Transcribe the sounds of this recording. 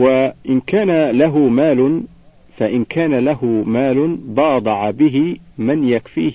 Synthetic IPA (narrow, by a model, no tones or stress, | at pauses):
waʔɪnkaːnalaɦʊmaːlʊ | faʔɪnkʰaːnalahʊmaːlʊbɑːd̪ˤɑʕabɪɦɪmɪnjakfḭːh